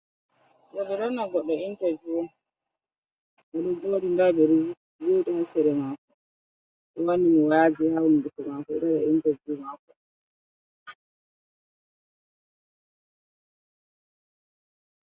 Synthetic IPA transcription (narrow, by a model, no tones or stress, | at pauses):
ɗɔɓɛɾɔnːaɡɔɗːɔintad͡ʒuwɔ | ʔaɗɔd͡ʒoːɗindaɓɛɾu | d͡ʒoːɗihasɛɾɛmakɔ | ɗɔwanimɔwaːd͡ʒihawnidukɔmakɔɛ̰ɗɔɗɔintad͡ʒumakɔ